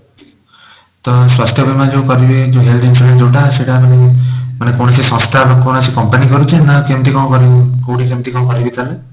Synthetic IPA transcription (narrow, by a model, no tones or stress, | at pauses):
t̪ɔswast̪ʰjɔbʱimad͡ʒewkɔɾibed͡ʒõɦeld̪insulend͡ʒewʈaseʈamanemanekowñɔsisɔ̃st̪ʰabakownasikɔmpanikɔɾut͡ʃʰenakemt̪ikɔ̃kɔɾikowʈikemt̪ikɔ̃kɔɾibit̪ʰale